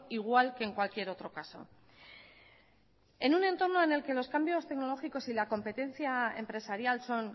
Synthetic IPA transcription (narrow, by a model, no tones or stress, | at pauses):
iɣ̞walke̞ːŋkwalkje̞ɾo̞t̪ɾo̞kaso̞̰ | e̞nune̞nt̪o̞ɾno̞e̞ne̞lke̞lo̞skambjo̞st̪e̞kno̞lo̞xiko̞silako̞mpe̞t̪e̞nθjae̞̰mpɾe̞saɾjalso̞n